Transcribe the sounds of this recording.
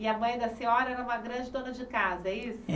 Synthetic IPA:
ɪɐmɐ̃j̃d̪ɐsĩɔɾɐɛɾɐũmɐɡɾɐ̃d͡ʒɪd̪õnɐd͡ʒɪkazɐɛisʊ

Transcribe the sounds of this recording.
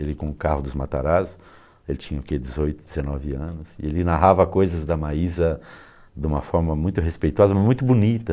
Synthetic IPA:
elɪkõʊ̃kahʊd̪ʊzmat̪a̰ɾazʊ | elɪt͡ʃĩɲɐoked͡ʒɪzojt̪ʊd̪ɪzenɔvɪɐ̃nʊsɪelɪnaɦavɐkojzɐzd̪ɐmaizɐ | d̪ɪũmɐfɔɾmɐmũj̃t̪ʊɦespejt̪ɔzɐmɐmũj̃t̪ʊbunit̪ɐ

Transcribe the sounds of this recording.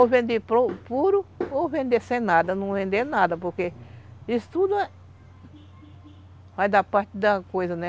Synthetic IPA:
ovẽnd̪epɾopuɾʊovẽnd̪esẽj̃nad̪ɐnɐ̃w̃vẽnd̪enad̪ɐpoɾkeisʊ̥t̪ud̪ʊ | vajd̪apaɾt̪ɪd̪ɐkojzɐnɛ

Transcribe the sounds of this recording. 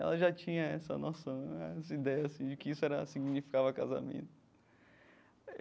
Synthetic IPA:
ɛ̰lɐʒat͡ʃĩɲɐɛsɐ̰nosɐ̃w̃ɛsɐid̪ɛjɐːsĩd͡ʒɪkɪisʊɛɾɐsiɡnifi̥kavɐkaza̰mḛ̃nt̪ʊ̥

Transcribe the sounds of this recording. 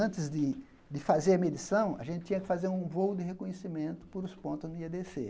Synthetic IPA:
ɐ̃nt̪ɪzd̪ɪ | d̪ɪfazeɾɐmed̪isɐ̃w̃ɐ̰ʒẽt̪ɪ̥t͡ʃ̪ĩɲɐkɪ̥fazeɾũvowʊd̪ɪɦekõɲesimẽnt̪ʊ̥pʊɾʊspõnt̪ʊniɐd̪ese

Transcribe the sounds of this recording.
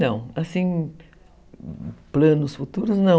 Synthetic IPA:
nɐ̃w̃asĩ | plɐ̃nʊsfut̪uɾʊznɐ̃

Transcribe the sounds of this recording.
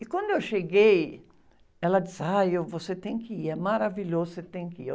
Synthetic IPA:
ɪkwɐ̃nd̪ʊewʃeɡej | ɛlɐd̪isajevoset̪ẽj̃kɪiɛmaɾaviʎozʊset̪ẽj̃kɪi

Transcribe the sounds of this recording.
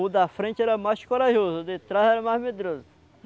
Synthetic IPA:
ʊd̪ɐfɾẽt͡ʃɪɛɾɐmajʃkoɾaʒozʊd̪ɪt̪ɾazɛɾɐmajzmed̪ɾozʊ

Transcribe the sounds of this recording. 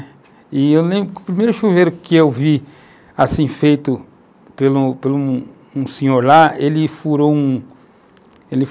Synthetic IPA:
ɪewlẽbɾʊkʊpɾimejɾʊʃuvejɾʊkɪewvi | asĩfejt̪ʊ | pelupelu | ũsĩɲoɾlaelɪfuɾoũ | elɪ

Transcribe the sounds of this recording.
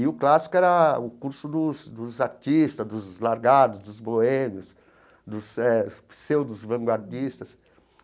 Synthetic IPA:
iʊklasi̥kʊɛɾɐʊkuɾsʊd̪ʊsd̪ʊzaɾt͡ʃ̪ist̪ɐzd̪ʊzlaɾɡad̪ʊzd̪ʊzboẽmjʊs | d̪ʊsɛsewd̪ʊzvɐ̃ŋɡwaɾd͡ʒist̪ɐs

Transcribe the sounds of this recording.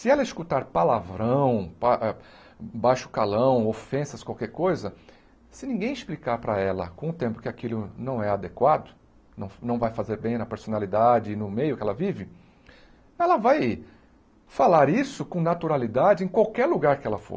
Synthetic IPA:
sɪɛlɐɪskut̪aɾpalavɾɐ̃w̃paʔɛ | bajʃʊ̥kalɐ̃w̃ofẽsɐskwawkɛɾkojzɐ | sɪnĩɡẽj̃ɪsplikaɾpɾɐɛlɐ̰kõʊt̪ẽmpʊ̥kɪakilʊnɐ̃w̃ɛad̪ekwad̪ʊ | nɐ̃w̃nɐ̃w̃vajfazeɾbẽj̃nɐpeɾsonalid̪ad͡ʒɪːnʊmejʊkɪɛlɐvivɪ | ɛlɐvaj | falaɾisʊkõnat̪uɾalid̪ad͡ʒɪẽkwawkɛɾluɡaɾkɪɛlɐfo̰ɾ

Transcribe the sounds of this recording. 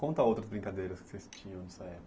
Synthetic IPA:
kõnt̪ɐowt̪ɾɐzbɾĩŋkad̪ejɾɐskɪ̥sest͡ʃĩɲɐ̃w̃nɛsɐɛp

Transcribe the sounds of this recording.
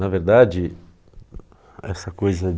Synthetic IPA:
nɐveɾd̪ad͡ʒɪ | ɛ̰sɐkojzɐ

